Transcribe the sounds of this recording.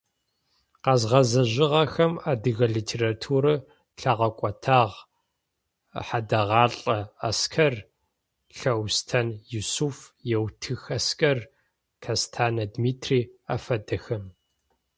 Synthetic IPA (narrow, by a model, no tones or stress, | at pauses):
qɐzʁɐzɐʑɪʁɐxɐmaːdɨɣɐɮiːtʰeːratʰuːɾɨ | ɬɐʁɐkʷʼɐtʰaːʁ | ħadɐʁɑːɬʼɐaskʰɐr | ɬɐwstʰɐnjusufjɛwtʰɨxɐskʰʼɐr | kʰɐstʰaːnɐdmiːtʰriːafɐdɐxɐm